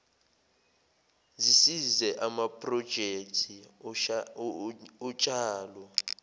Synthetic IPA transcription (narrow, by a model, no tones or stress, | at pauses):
zisizɛʔamapʼrɔd̥ʒ̥ʱek̚tʰi | ɔt͡ʃʼaːlɔ